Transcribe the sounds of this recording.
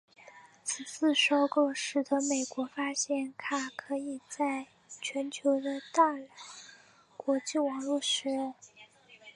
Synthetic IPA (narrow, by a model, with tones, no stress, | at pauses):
t͡sʰɹ̩˨˩t͡sʰɹ̩˥˩ʂo˥ʊko˥˩ʊʂɻ̩˧˥˩d̪ə˧˥me˨˩ɪkwɔ˧˥fa˥ɕjɛ˥˩nkʰa˥kʰɤ˧˥i˨˩t͡sa˥˩ɪ | t͡ɕʰɥɛ˧˥nt͡ɕʰjo˧˥ʊd̪ə˧t̪a˥˩ljɑ˧˨˥ʊ | kwɔ˧˥t͡ɕi˥˩wɑ˨˩ŋlwɔ˥˩ʂɻ̩˧˥